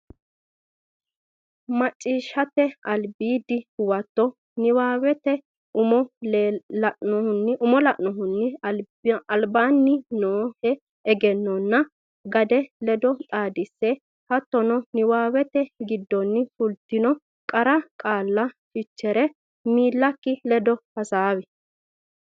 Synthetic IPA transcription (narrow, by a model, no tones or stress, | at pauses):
mɐt͡ʃʼːiːʃɐt̪ɛɐlbiːd̪ɪwɐt̪ːɔ | nɪwaːwɛt̪ɛ | ʊmɔ | lɐʔnɔhʊnːɪʔʊmɔlɐʔnɔɦʊnːɪɐ | ɐlbaːnːɪnoːhɛ | ɛɡɛnːɔnːɐ | ɡɐd̪ɛlɛd̪ɔt̪ʼaːd̪ɪsːɛ | hɐt̪ːɔnɔnɪwaːwɛt̪ɛɡɪd̪ːɔnːɪfʊlt̪ːɪnɔ | kʼɐɾɐkʼaːlːɐʃɪt͡ʃːɛɾɛ | miːlːɐkːɪlɛd̪ɔhɐsaːwɛ